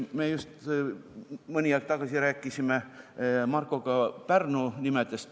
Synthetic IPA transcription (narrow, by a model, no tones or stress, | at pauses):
meːjust̪ | mɤnʲiɑkt̪ɑɡ̥ɑsiɾæːkːˑisimemɑrkːˑo̞ɡ̥ɑpærnunimet̪est̪